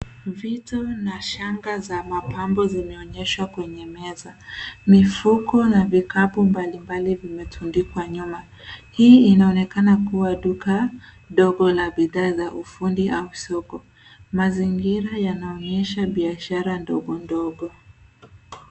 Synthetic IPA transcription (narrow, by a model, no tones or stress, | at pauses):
vitɔnaʃaŋɡazamapambɔzimɛɔɲɛʃwakwɛɲɛmɛzamifukɔnavikapumbalimbalivimɛtʰundikwaɲuma | hiːinaɔnɛkanakuwaɗuka | ɗɔɡɔlaɓiðaːzaʔufundiʔausɔkɔ | maziŋɡiɾajanaɔɲɛʃaɓiaʃaɾandɔɡɔndɔɠɔ